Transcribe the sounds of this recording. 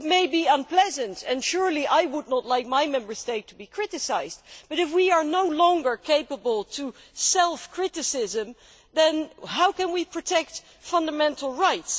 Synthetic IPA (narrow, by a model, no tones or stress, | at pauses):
t̚meɪbiə̃npl̥ɛzə̃ntɛ̃nʃʊɹliʔajwʊdⁿnətˡlaɪk̚majmɛ̃mbə˞steɪtʰubikʰɹ̥ɪɾɨsaɪzdb̥ʌɾɨfwiə˞noʊlɔ̃ŋɡə˞kʰeɪpəbəlˠtʰu | sɛlˠfkʰɹ̥ɪɾɨsɪzə̃m | ðɨ̃nɦaʊkɨ̃nwipʰɹ̥ɔtʰɛk̚t | fʌ̃ndəmɛ̃ntl̩ˠɹaɪts